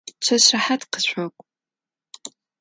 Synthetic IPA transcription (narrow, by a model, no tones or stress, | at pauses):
t͡ɕʰɐɕrɐħatqə̥ɕʷɔkʷʼ